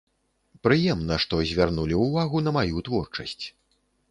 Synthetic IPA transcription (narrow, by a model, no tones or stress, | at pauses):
pɾɨjɛmnɐʂt̪ɔzʲvʲarnulʲiwvaɣunɐmajut̪vɔrt͡ʂɐsʲt͡sʲ